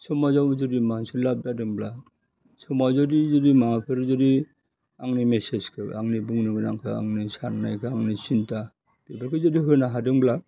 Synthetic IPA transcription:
sɔmazawzɔdimasilap̚dadɯŋbla | sɔmazɔdizɔdimaŋapʰɯɾzɔdi | aŋnimeseskʰɯ̰aŋnibuŋnɯɡɯnaŋkʰɯa̰ŋnisaɾnajkʰɯaŋnisinta | b̥ebaɾkʰɯzɔdiɦojnaɦadɯŋbla

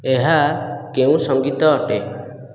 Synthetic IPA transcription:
eɦakeũsɔŋɡit̪ɔːʈe

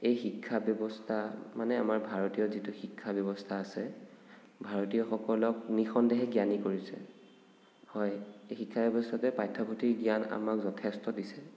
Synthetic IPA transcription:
ejxikʰːabjɔbɔstʰamanɛamaɹbʱaɹotijɔzituxikʰːabjɔbɔstʰaːsɛ | bʱaɹotijɔxɔkɔlɔk̚nixɔndɛɦɛɡijanikoɹisɛ̰ | hɔjejxikʰːabjɔbɔstʰatɛpajtʰːɔpʰɔtʰiɡiana̰makzɔtʰɛstɔdisɛ

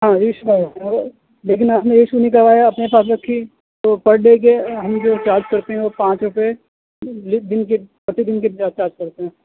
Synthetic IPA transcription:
ɦãːjeʃukɐãɔːɾ | leːk̬ɪnaːpnẽjeʃunĩk̬ɐɾʋaːjaɐpnepaːs̬ɾɐkʰːi | t̪opɐɽleːkeɦɐmd͡ʒoːt͡ʃaːɾd͡ʒkɐɾt̪eɦɛ̃ʋopãːt͡ʃɾʊpe | lɪd̪ɪnkepɐʈʰːid̪ɪnkebd͡ʒaːst͡ʃaːɾd͡ʒkɐɾt̪eɦɛ̃ː

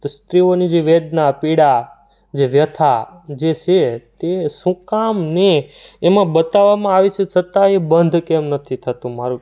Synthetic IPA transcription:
st̪ɾionid͡ʒeʋed̪napiɽa | d͡ʒeʋjət̪ʰad͡ʒet͡ʃʰet̪esũkamneːmãbət̪aʋːamãaʋet͡ʃʰet͡ʃʰət̪aebənd̪ʱkɛmnət̪ʰit̪ʰət̪ũmaɾũ

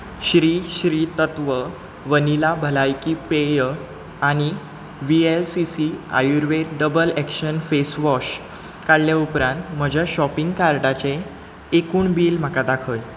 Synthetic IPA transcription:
ɕɾiːɕɾiːt̪ət̪ʋə | ʋənilabʱəlajkipejə | aɽ̃i | ʋielsisia̰juɾʋeɖəbəlɛkɕənfesʋɔɕ | kaɽljaupɾãnt̪m̤əd͡ʑʱjaɕɔpiŋɡkaɾʈat͡ɕeː | kuːɳbiːlm̤əkad̪akʰəj

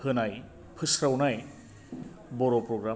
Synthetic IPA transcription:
hɯnaj | pʰɯsɾawnaj | bɔɾopɾɔɡɾa

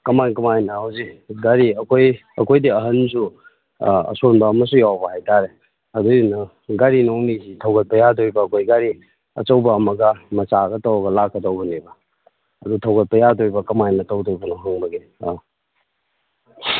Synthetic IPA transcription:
kɐmankɐmajnɐhawziɡaɾiɐkʰoj | ɐ̰kʰojdiɐɦɐnsu | ɐ̰sonbɐːmɐs̬ujawbɐhajtaɾe | ɐdujnɐ | ɡaɾinoŋnizitʰɐwɡɐt̚pɐjadoɾibɐːkʰojɡaɾi | ɐ̰t͡ʃɐwbɐːmɐɡɐmɐt͡ʃaɡɐtowɐɡɐlakːɐdowbɐnebɐ | ɐdutʰɐwɡɐt̚pɐjadoɾibɐkɐmajnɐtowdobɐnoɦuŋmɐɡe

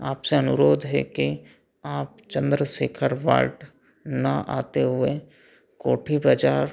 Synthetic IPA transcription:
aːpseɐnʊɾoːd̪ʱɦɛ̰ke | aːp̚t͡ʃə̃nd̪ɾəseːkʰəɾʋa̰ːlʈ | nɐʔa̰ːt̪eɦʊe | koːʈʰibɐd͡ʒaːɾ

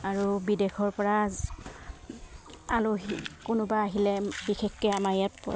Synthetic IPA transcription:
aɹubidexʰɔɹpɔɹa | aloɦikʊnʊbaːɦilɛbixɛkkɛamaɹjatpɔ̰

